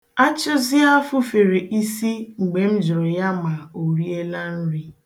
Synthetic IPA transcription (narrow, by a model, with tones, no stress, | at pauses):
a˦t͡ʃʊ˦zɪ˦a˦fʊ˦fe˨ɾe˨ʔi˦si˦ŋ͡m̩˨ɡ͡be˨m̩˦d͡ʒʊ˨ɾʊ˨ja˦ma˨o˨ɾi˦e˦la˦n̩˦ɾi˦